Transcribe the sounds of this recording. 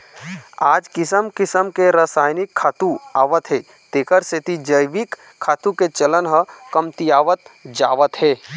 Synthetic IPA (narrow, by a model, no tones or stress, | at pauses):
aːd͡ʒkɪsəmkɪsəmkeɾəsaːjnɪkʰːaːt̪uaːʋət̪ɦɛː | t̪eːkəɾsɪt̪id͡ʒəjʋikʰː | aːt̪uket͡ʃələnɦəkəmt̪ijaːʋət̪̚d͡ʒaːʋət̪ɦɛː